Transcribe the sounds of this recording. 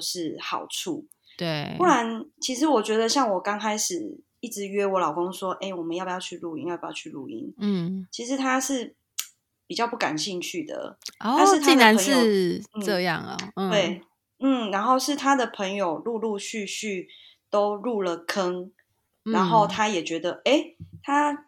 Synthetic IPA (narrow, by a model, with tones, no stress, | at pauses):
oʂɻ̩˥˩xɑ̰˨˩ʊʈ͡ʂʰu˥˩ | t̪we˩u˥la˧˦nt͡ɕʰi˧˥ʂɻ̩˧˥wɔ˨˩t͡ɕɥɛ˧˥d̪ə˧ɕjɑ˥˩ŋwɔ˨˩kɑ˥ŋkʰa˥ɪʂɻ̩˨˩ | i˥˩ʈ͡ʂɻ̩˧˦ɥɛ˥wɔ˧˥lɑ˨˩ʊko˥ŋswɔ˥ʔe˥˩ɪwɔ˨˩mə˨˦njpjɑ˥˧t͡ɕʰy˥˧lu˥˧i˥njpjɑ˥˩t͡ɕʰy˥˧ɻṵ˧˩ḭ˦n̩˥˩t͡ɕʰi˧˥ʂ̬ɻ̩˧˦t̪ʰa˥ʂɻ̩˥˩ | pi˨˩t͡ɕjɑ˥˧ʊpu˥˩ka̰˨˩nɕi˥˧ŋt͡ɕʰy˥˩d̪ə̰˩ta˥˧nʂɻ̩˥t̪ʰi˥˩˧a˨˧nʰə˧˦ŋ̩˥˩n̩˥˩ɤ˥˧jɑ̰˥˨˩ŋə̰˨˩˥we˥˩ɪ | n̩˥˩na˧˥nxo˥˧ʊʂɻ̩˥˩t̪ʰa˥d̪ə˨pʰə˧˥ŋjo˨˩ʊlu˥˧lu˥˧ɕy˥˧ɕy˥˩ | t̪o˥ʊɻu˥˩lə˩kʰə˦˥ŋ | a˨˧˦nxo˥˩ʊt̪ʰa˥jɛ˨˩t͡ɕɥɛ˧˥d̪ə˨ʔe˥˩ɪt̪ʰa˥